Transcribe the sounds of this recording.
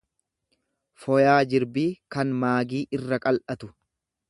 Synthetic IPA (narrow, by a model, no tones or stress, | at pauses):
fɔjaːd͡ʒɪɾbiːkɐnmaːɡiːʔɪrːɐkʼɐlʔɐt̪ʊ